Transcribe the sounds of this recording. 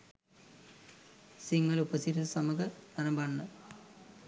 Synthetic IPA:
siŋːɐlubɐsiɾɐsɐmɐɣɐnɐɾɐmbɐɳːɨ

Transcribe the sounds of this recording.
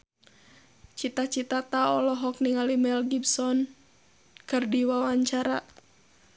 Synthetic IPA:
t͡ʃit̪at͡ʃit̪at̪aɔlɔɦɔk̚niŋalimɛlɡibsɔn | kɨrdiwawaɲt͡ʃaɾa

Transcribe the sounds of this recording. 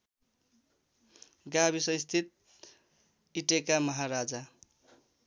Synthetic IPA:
ɡabisʌ̃jst̪ʰit̪̚ | iʈekamʌɦaɾad͡za

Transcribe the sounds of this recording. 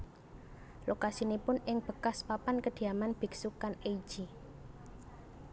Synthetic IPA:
lokasinipʊnɪŋb̥ə̤kaspapankəd̪̥i̤amanb̥i̤ksukaneid̥ʒ̥i

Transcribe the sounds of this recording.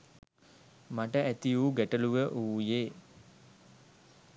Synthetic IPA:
maʈəʔæt̪ijuːɡæʈəluʋəʔuːjeː

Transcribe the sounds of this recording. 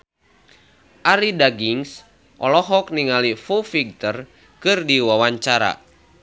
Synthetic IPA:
ʔaɾidaɡiŋs | ʔɔlɔɦɔk̚niŋalifufiɡ̚t̪ər | kɨrdiwawaɲt͡ʃaɾa̰

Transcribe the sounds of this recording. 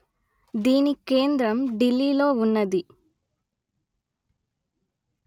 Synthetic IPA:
d̪iːnikeːnd̪ɾɐmɖilːiːloːunːɐd̪i

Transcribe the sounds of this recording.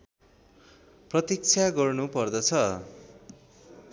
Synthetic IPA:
prʌt̪ik̚t͡sʰjaɡʌrnupʌrd̪ʌt͡sʰʌ

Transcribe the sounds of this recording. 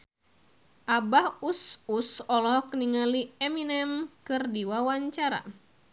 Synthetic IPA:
ʔabahususɔlɔkniŋaliɛminɛmkɨrdiwawaɲt͡ʃaɾa̰

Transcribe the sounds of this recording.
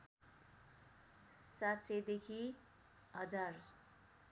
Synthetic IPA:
satsed̪ekʰi | ɦʌd͡zar

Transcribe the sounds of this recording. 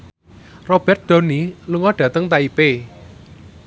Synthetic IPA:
rob̥ɛ̤rt̪̚d̪̥o̤niluŋɔɖ̥ä̤t̪əŋt̪aipe

